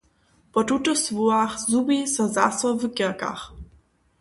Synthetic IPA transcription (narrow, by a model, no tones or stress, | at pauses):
pɔt̪ut̪ɔsvuaxzubisɔzasɔvɨkɛka̰x